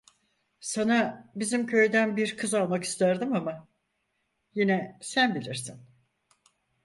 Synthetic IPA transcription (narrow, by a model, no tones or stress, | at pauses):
sanabizimcʰø̞jd̪ænbiɾkʰɯzalˠmaki̥st̪ʰæɾd̪ɯmama | jinɛsænbilʲiɾsin